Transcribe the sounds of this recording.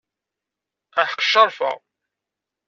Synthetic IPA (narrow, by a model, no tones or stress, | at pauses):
æħə̥qːʃɑɾˤfə̰ʁ